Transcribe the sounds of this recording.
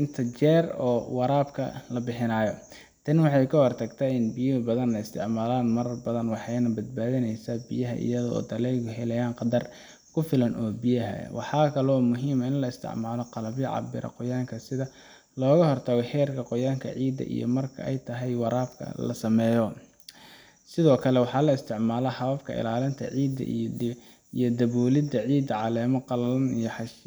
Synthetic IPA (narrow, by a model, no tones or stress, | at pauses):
ɪnt̪ʰɐt͡ʃɛːrɔːwɑɾaːbkʰɐ̰lɐbɪħɪnaːjɔ | t̪ʰɐnwɑħɑjkʰɐhɔrt̪ʰɐɡt̪ʰɐɪnbɪjʊbɐðɐnɐɪst̪ʰɪ̰ʕmaːlaːnmɐɾɐrbɐðɐnwɑħɑjnɐbɐd̪̚baːðɪnɛjsabijɐɦɐ̰ʔɪ̰jɐðɔɔ̰ːd̪ɐlɛːɣʊɦɛlɐjaːnqɑd̪ɐr | kʰʊfɪlɐnɔːbɪjɐɦɐ̰wʔɑħɑːkʰɐlɔːmʊɦiːmɐɪnlɐɪst̪ʰɪ̰ʕmaːlɔqɑlɐβjɐʕɑ̰bɪ̰ɾʔɐ̰qʊjaːŋkʰɐsɪðɐ | lɔːɣɐɦɔrt̪ʰɐɣɔħɛːrkʰɐqʊjaːŋkʰɐ̰ʕiːd̪ːɐ̰ʔḭjɔ̰mɐrkʰɐ̰ɛjt̪ʰɐɦɛjwɑɾʔaːbkʰɐ̰lɐ̰sɐmɛːjɔ | sɪðɔːkʰɐlɛwɑħɑːlɐɪst̪ʰɪʕmaːlɐħɐβɐbkʰɐ̰ɪ̰laːlɪnt̪ʰɐ̰ʕiːd̪ɐ̰ | ijɔd̪ɐβɔːlɪd̪ɐʕiːd̪ɐʕɑlɛːmɔqɑlɐlɐnijɔħɑʃ